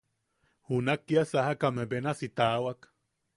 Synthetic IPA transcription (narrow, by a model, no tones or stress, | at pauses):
hunakːiasahakamebenasit̪awak